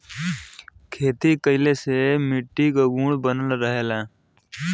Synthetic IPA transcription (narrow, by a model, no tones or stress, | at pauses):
kʰeːt̪ikəɪlesemɪʈːiɡəɡuːɽbənəlɾəɦeːlaː